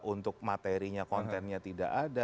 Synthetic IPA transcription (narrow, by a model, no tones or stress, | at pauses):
ʔunt̪ʊk̚mat̪eɾiɲakɔnt̪ɛnɲat̪ida̰ʔada